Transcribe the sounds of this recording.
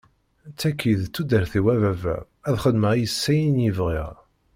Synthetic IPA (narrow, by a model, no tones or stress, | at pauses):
t͡sːækʰːiðt͡sːud̪əɾθiwævævæ̰ | æðχəd̪məʁijəsːæjinjəvʁiʁ